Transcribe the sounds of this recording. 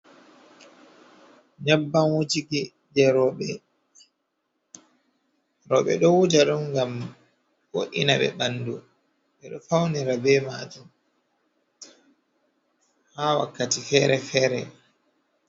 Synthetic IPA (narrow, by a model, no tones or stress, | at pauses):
ɲabːanwutiki | d͡ʒɛɾɔɓɛ | ɾɔɓɛ̰ɗɔwud͡ʒaɗunɡam | foʔinaɓɛ̰ɓandu | ɓɛɗɔfawniɾabɛmaːd͡ʒum | haːwa̰kːatifɛːɾɛfɛːɾɛ̰